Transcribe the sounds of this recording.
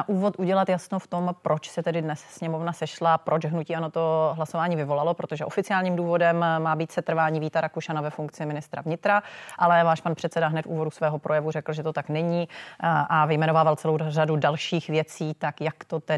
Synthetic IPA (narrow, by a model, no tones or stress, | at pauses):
aʔuːvo̞t̪ʔuɟɛlat̪jasnoft̪o̞mpɾo̞t͡ʃsɛt̪ɛdɪdnɛssɲɛmo̞vnasɛʃlapɾʔo̞t͡ʃɦnuciːanot̪oɦlaso̞vaːɲiːvɪvo̞lalopɾot̪o̞ʒɛʔo̞fɪt͡sɪaːlɲiːmduːvo̞dɛmːaːbiːt̪sɛt̪r̩vaːɲiːviːt̪aɾakuʃanavɛfuŋkt͡sɪmɪnɪst̪ɾa̰vɲɪt̪ɾaʔalɛvaːʃpanpr̥ɛt̪t͡sɛdaɦnɛt̪ṵːvo̞dusvɛːɦo̞pɾʔo̞jɛvurɛkl̩ʒɛt̪o̞t̪aknɛɲi | avɪjmɛno̞vaːvalt͡sɛlowradudalʃiːxvjɛt͡siːt̪akjakt̪ot̪ɛ